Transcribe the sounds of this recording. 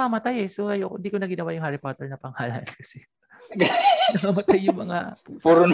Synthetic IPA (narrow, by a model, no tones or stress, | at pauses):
amɐt̪ajɛsoʔɐjooɪnd̪iːkonɐɡɪnɐwajʊŋhaɾɪpat̪ɛɹnɐpɐŋhaːlɐnkɐsɛ | nɐmɐmɐt̪ajːʊŋmɐŋapuɾʊn